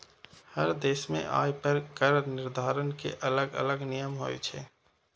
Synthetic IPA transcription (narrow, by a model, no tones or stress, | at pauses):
həɾd̪eːsmḛ̃ʔa̰ːjpəɾkəɾnɪɾd̪ʱaːɾənkḛʔələɡə̰ləɡnijəmɦoːḛt͡ʃʰɛ̰ː